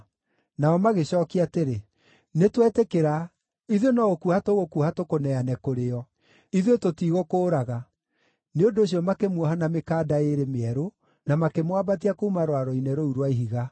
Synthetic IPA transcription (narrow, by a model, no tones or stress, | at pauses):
naɔmaɣeɕɔːkiateɾe | netwɛtekeɾa | iðjonɔɣokuhatoɣokuhatokonɛanɛkoɾeɔ | iðjototiɣokoːɾaɣa | neondoːɕ̬ijɔmakemwɔɦanamekaːdaeɾemeɛɾo | namakemwabat̬iakoumaɾwaɾɔinɛɾouɾwaiɦiɣa